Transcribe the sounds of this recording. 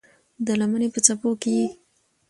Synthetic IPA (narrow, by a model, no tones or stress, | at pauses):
d̪əlamənepət͡sapokeji